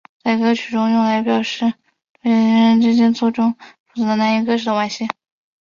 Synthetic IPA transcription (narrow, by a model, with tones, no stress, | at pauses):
t͡sa˥˩ɪkɤ˥t͡ɕʰy˨˩ʈ͡ʂʊ˥ŋjʊ˥˩ŋla˧˥ɪpjɑ˨˩ʊʂɻ̩˥˩ | t̪we˥˩ɪ˧˥ɻə˧˥ɻə˧˥nʈ͡ʂɻ̩˥t͡ɕjɛ˥nt͡swɔ˥˩ʈ͡ʂʊ˥ŋʈ͡ʂu˧˩t͡s̩ʰ˧˥d̪ə˧na˧˥ni˥˩kɤ˥ʂʰɻ̩˩d̪ə˧wa˧˥˩nɕjɛ˥˩n